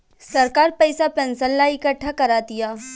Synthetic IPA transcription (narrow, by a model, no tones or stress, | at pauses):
sɐɾkaːɾpɛɪsapɛ̃nsənlaɪkəʈʰːakɐɾaːd̪ɪjaː